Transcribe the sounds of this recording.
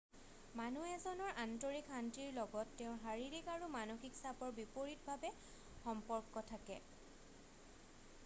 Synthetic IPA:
manuɛzɔnɔɹʔantoɹikantiɹlɔɡɔtːɛʊ̃ɦaɹiɹikaɹumanoxiksabɔɹbipoɹit̚bʱabɛ | xɔmpɔɹkːɔtʰakɛ̰

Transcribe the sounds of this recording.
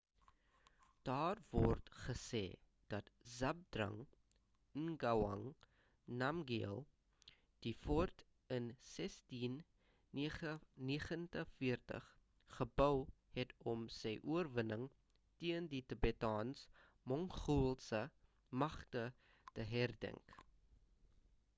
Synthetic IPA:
d̥ɑːrvɔrtχəsɛ̰ː | d̥ɐtzɐb̚drɐ̰ŋ | əŋɡɐwɐ̰ŋ | nɐmɡiəlˠ | d̥ifɔrt | ənsɛstin | niəχəntəfiərtə̰χ | χəbœwhɛtɔmsɛjʔuərvənəŋ | tiənditəbetɑːns | mɔŋχulˠsə | mɐχtə | təɦærdɛ̰ŋk

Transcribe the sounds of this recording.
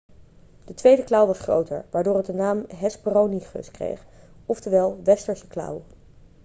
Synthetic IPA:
d̥ətʋejdəklʌwʋɑsχro̰wtə̰ɹʋaːɹdʊːɹət̚dənaːmɦɛspəroniχɵ̰skrḛjχ | ɔftəʋɛlˠʋɛstəɹsə̥klʌ̰w

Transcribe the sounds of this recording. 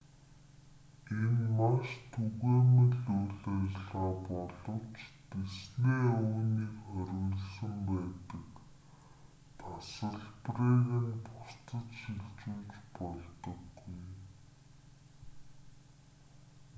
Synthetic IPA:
enmaʃt̪ʰuɣeːmə̆ɮuɮeːrɮaːpɔɮɞ̆w̥t͡ɕt̪esneːuːniːkχœɾʲɣə̆ɮsə̆mpæːt̪ə̆k | t̪ʰasə̆ɮpreɣĭnpʰʊst̪ə̆t͡ɕxiɮt͡ɕuːt͡ɕpɔɮt̪ɞ̆ɡuj

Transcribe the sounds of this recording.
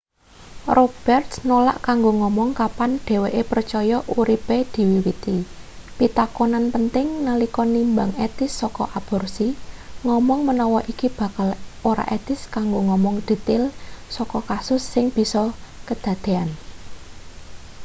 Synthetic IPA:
rʔob̥ɛrt̪snola̰ʔkaŋɡoŋɔmɔŋkapanɖ̥e̤weʔepərt͡ʃɔjɔʔuɾiped̪̥i̤wiwit̪ipit̪akonanpənt̪ɪŋnalikɔnimbaŋet̪ɪsːɔkɔ̰ʔab̥ɔ̤rsiŋɔmɔŋmənɔwɔʔikib̥ä̤kaloɾa̰ʔet̪ɪskaŋɡoŋɔmɔŋd̪̥i̤t̪ɪlsɔkɔkasʊsːɪŋb̥i̤sɔkəd̪̥ä̤d̪̥e̤an

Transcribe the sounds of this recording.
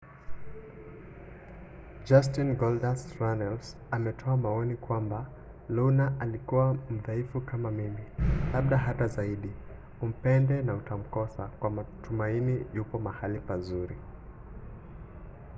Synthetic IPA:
d͡ʒas̬tinɡɔldasɾanɛls | amɛtʰɔamaɔnikwamba | lunaʔalikuwam̩ðaifukamamimilaɓɗaɦatazaiɗi | um̩pɛndɛnautam̩kɔsakwamatumainiʄupɔmahalipazuɾi

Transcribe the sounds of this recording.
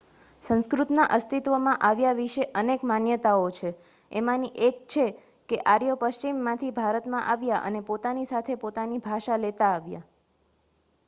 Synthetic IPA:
sə̃nskɾut̪naʔəst̪it̪ʋəmãʔaʋjaʋiʃeʔənekmanjət̪aot͡ʃʰe | emãniʔekt͡ʃʰe | keʔaɾjopəʃt͡ʃimːãt̪ʰibʱaɾət̪mãʔaʋjaʔə̰nepot̪anisat̪ʰepot̪anibʱaʃalet̪aːʋja̰

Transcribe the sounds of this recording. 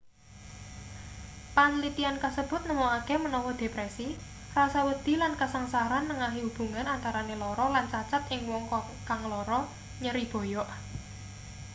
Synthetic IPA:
panlit̪iankasəb̥ʊt̪̚nəmɔakemənɔwɔd̪̥e̤pɾɛsi | rasawəd̪̥i̤lankasaŋsaɾanːəŋaɦiwub̥ṳŋanant̪aɾanelɔɾɔlant͡ʃat͡ʃat̪ʔɪŋwɔŋkɔ | kaŋlɔɾɔ | ɲəɾib̥ɔ̤jɔʔ

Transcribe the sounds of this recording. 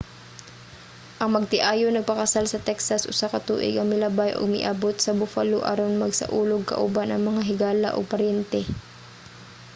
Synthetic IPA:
ʔɐŋmɐɡ̚t̪ɪʔaːjonɐɡ̚pɐkɐsalsɐt̪ɛksɐsʔʊsakɐt̪ṵːʔɪ̰ɡɐŋmɪlɐbajʔo̰ɡ̚mɪ̰ʔabot̪̚sɐbʊfaloʔa̰ɾonmɐɡsɐ̰ʔuːloɡ̚kɐ̰ʔʊbanɐŋmɐŋaɦɪɡaːla̰ʔo̰ɡ̚pɐɾjɛnt̪ɛ

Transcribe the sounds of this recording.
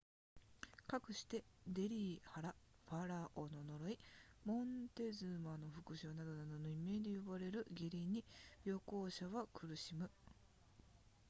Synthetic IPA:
kakɯ̟ɕi̥t̪e̞d̪e̞ɾʲiːhaɾaɸaɾaʔono̞no̞ɾo̞imõ̞nt̪e̞zɨmano̞ɸɯ̟kɯ̟ɕoonad̪o̞nad̪o̞no̞ime̞ːd̪ejobaɾe̞ɾɯ̟ɡʲiɾʲiɲ̟ijo̞ko̞ːɕaβakɯ̟ɾɯ̟ɕimɯ̟

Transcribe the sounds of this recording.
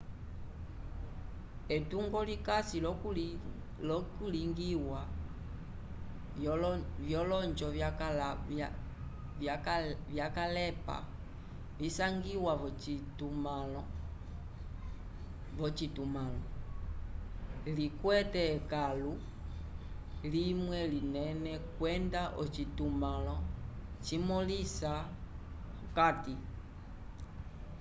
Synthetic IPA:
ɛtuŋɡɔlikasil | lɔkuliŋɡiwa | vjɔlɔnd͡ʒɔvl | vjakalɛpa̰ | visaŋɡiwatum | vɔt͡ʃitumalɔ | likwɛtɛkalu | limwɛlinɛnɛkwɛndaʔɔt͡ʃitumalɔt͡ʃimɔlisa | ukati

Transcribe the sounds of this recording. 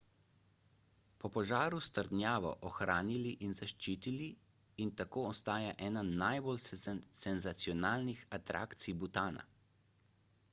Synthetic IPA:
pɔpɔʒaːɾust̪əɾd̪nʲjaːʋɔ̰ʔɔxɾaːniliʔinzaʃt͡ʃiːt̪ili | int̪akoːɔst̪aːjaʔɛːnanajbolsɛnzat̪sijɔnaːlnixat̪ɾʔa̰ːkt̪sijbut̪aːna̰

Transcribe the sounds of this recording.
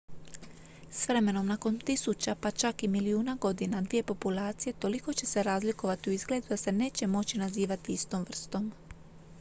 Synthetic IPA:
sʋɾe̞me̞no̞mnako̞nt̪isut͡ɕapat͡ʃakimiliuːnaɡo̞d̪inad̪ʋije̞po̞pulaːt̪sije̞t̪o̞liko̞t͡ɕe̞se̞ɾaːzliko̞ʋat̪iuizɡle̞ːd̪ud̪ase̞ne̞ːt͡ɕe̞mo̞t͡ɕinaziːʋat̪iist̪o̞mvr̩st̪o̞m

